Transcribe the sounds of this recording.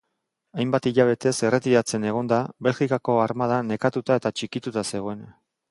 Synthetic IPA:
ajmbat̪iʎaβ̞e̞t̪e̞se̞re̞t̪iɾat͡se̞ne̞ɣ̞o̞nd̪aβe̞lxikako̞aɾmað̞ane̞kat̪ut̪ae̞t̪at͡ʃikit̪ut̪ase̞ɣ̞o̞e̞n

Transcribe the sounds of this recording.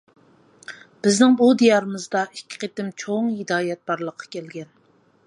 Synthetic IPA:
b̥ɪznɪŋbud̪ijɑɾɨmɨzd̪ɑʔikʲʰːi̥qet̪ɪmt͡ʃʰoŋhɪd̪ɑːjɛt̪̚bɑɾlˠəqʰːɑ̥kʲʰɛlɡʲɛn

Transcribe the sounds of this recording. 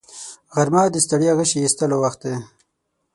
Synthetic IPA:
ɣaɾmɑːd̪əst̪aɽjaɣəʃiist̪əlowaxt̪̚d̪e

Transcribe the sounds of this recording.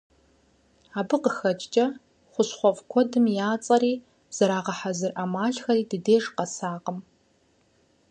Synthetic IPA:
aːbɨqəxɐt͡ʃʼt͡ʃʼɐ | χʷʊɕχʷɔvkʷʰɔdɨmjaːt͡sʼɐɾiː | z̥ɐɾaːqɐħazɨrʔamaːɮxɐriːdɨdeːʐqɐsaːqəm

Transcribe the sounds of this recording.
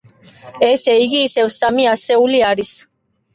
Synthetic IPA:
eseiɣisewsamiaseuliaɾis

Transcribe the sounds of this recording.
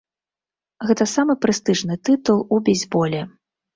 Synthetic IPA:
ɣɛt̪ɐsamɨpɾɨst̪ɨʐnɨt̪ɨt̪ulˠubʲɛzʲbɔlʲɛ

